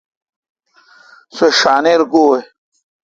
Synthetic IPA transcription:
seʂaːneɾɡoːe

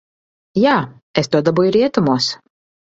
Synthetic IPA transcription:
jaː | est̪uɔd̪abujuɾiɛt̪umuɔs

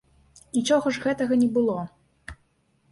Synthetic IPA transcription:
nʲit͡ʂɔɣɐʐɣɛt̪ɐɣɐnʲɛbɨlˠɔ

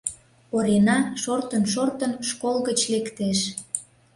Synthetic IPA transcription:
poɾenɑʃort̪ənʃort̪ənʃkolɣət͡ɕlekt̪eʃ

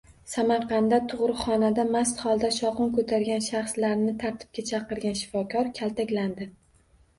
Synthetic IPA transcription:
samaɾqʰɑnd̪at̪ʰʊʁɾɪχɒnad̪amast̪χɒlˠd̪aʃɒqʊnkʰɵt̪ʰaɾɡʲanʃaχslaɾnɪt̪ʰaɾt̪ʰɪ̥p̚kʲat͡ʃʰɑqɨɾɡʲanʃɪ̥fɒkʲʰɒɾkʲʰalˠt̪ʰakʲland̪ɪ

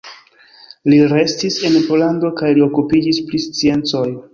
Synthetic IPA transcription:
liɾe̞stise̞npo̞lando̞kajlio̞kupid͡ʒisplist͡sie̞nt͡so̞j

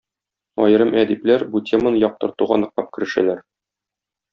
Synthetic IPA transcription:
ɒ̰jɤ̆ɾɤmʔæd̪iplæɾbutʲʰemənɤjɒq̚t̪ɤ̆ɾt̪uʁɑnɤ̆q̚t̪ˠɑp̚kɘ̆ɾɘ̆ʃæ̰læɾ

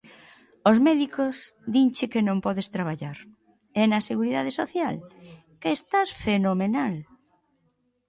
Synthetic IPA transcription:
ozmɛðikozðiɲt͡ʃɪkenõmpɔðest̪ɾaβ̞aʎaɾ | ɛnɐseɣuɾiðaðesoθjal | keːst̪asfenomenal

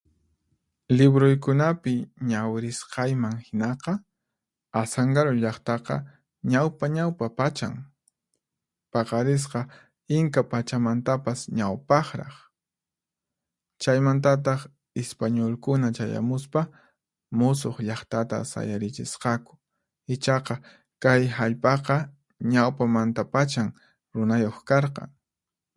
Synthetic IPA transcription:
lɪbɾojkʊnapɪɲawɾɪsqɑjmaŋhɪnɑqɑ | asaŋɡaɾʊʎɑχt̪ɑqɑ̰ | ɲawpaɲawpapat͡ʃa̰ŋ | pɑqɑɾɪs̬qɑ | ɪŋkapat͡ʃamant̪apasɲawpɑχɾɑ̰χ | t͡ʃajmant̪̬at̪̬ɑχ | espaɲolkʊnat͡ʃaja̰mʊspa | mʊsoχʎɑχt̪at̪a̰sa̰jaɾɪt͡ʃɪsqɑkʊ̥ | ɪt͡ʃɑqɑ | kajhaʎpɑqɑ | ɲawpamant̪apat͡ʃaŋ | ɾʊnajoχkɑɾqɑ̰ŋ

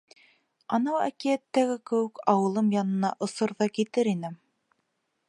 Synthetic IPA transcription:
ɑnɑwæ̰kiæt̪ːæɡɘkɘ̆wɘkɑwɤ̆lˠɤmjɑnɤ̆nɑʔŏsɤɾðɑkit̪ɘɾinɘ

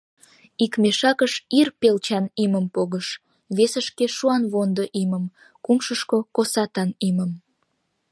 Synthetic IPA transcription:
ikmeʃɑkəʃirpelt͡ɕɑniməmpoɣəʃ | βesəʃkeʃuɑnβond̪oʔiməm | kumʃəʃkokosɑt̪ɑniməm

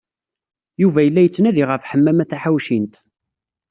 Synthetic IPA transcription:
juvæjəlːæjət͡sːnæðiʁəfħəmːæmæθaħawʃint̪

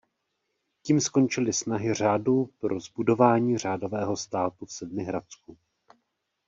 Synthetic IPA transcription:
ciːmsko̞nt͡ʃɪlɪsnaɦɪr̝aːdupɾo̞zbudo̞vaːɲiːr̝aːdo̞vɛːɦo̞st̪aːt̪ufsɛd̚mɪɦɾat͡sku

